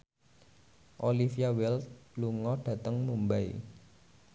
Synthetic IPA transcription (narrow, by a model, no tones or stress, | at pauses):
ʔolifiawɪltluŋɔɖ̥ä̤t̪əŋmumbaḭ